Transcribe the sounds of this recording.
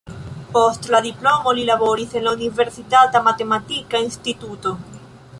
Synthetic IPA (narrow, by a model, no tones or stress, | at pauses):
post̪laðiplomolilaβoɾisenlauniβeɾsit̪at̪amat̪emat̪ikainst̪it̪ut̪o